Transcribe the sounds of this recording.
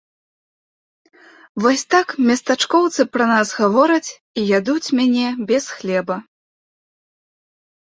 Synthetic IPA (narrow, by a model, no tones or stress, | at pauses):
vɔsʲt̪akmʲɐst̪at͡ʂkɔwt̪sɨpɾɐnasɣavɔɾɐt͡sʲ | ijʲad̪ut͡sʲmʲanʲɛbʲɛsxlʲɛbɐ